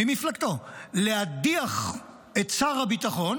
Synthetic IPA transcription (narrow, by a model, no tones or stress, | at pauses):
imiflakt̪o̞lead̪iaχ | ett͡saʁabit̪aχo̞n